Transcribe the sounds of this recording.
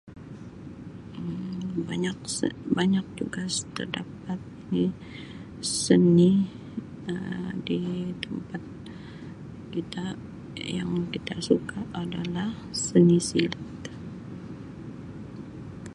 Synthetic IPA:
baɲakbaɲak̚d͡ʒuɡast̪ərda̰p̚at̪̚ni | səni | ədit̪əmpat̪̚ | kit̪a | ja̰ŋkit̪asukaːdalah | sənisilat̪

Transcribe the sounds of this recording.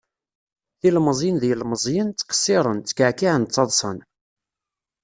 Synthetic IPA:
θilməzˤjənðjəlməzˤjənt͡sːqə̥sːɪɾˤənt͡sːə̥kaʕkiʕənt͡s̪ːɑðˤsˤə̰n

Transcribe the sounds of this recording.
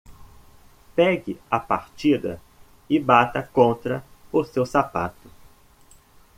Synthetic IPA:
pɛɡɪɐpaɾt͡ʃid̪ɐ̰ | ɪbat̪ɐkõnt̪ɾɐʊsewsapa̰t̪ʊ̥

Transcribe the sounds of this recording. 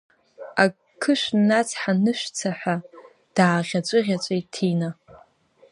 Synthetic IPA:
a | kʰɨʃʷnat͡sʰħanɨʃʷᶣt͡sʰaħʷa | d̥aːʁʲat͡ʃʷʼɨʁʲat͡ʃʷʼejtʰina

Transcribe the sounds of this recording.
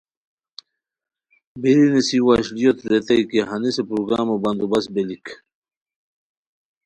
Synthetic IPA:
biɾinisiwaɕlijot̪ɾet̪ɐjkeɦɐnisepɾuɡɾaːmobɐnd̪ubɐsbelik

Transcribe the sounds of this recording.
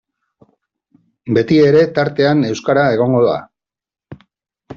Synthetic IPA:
be̞t̪ie̞ɾe̞t̪aɾt̪e̞ane̞wskaɾae̞ɣ̞o̞ŋɡo̞ða̰

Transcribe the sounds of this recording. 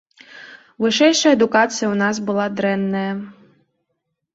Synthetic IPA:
ʋɪʃɛjʃɐed̪ʊkɑt͡sʲijɐʊnɑsbʊlˠɑd̪ɾɛnːɐjɐ

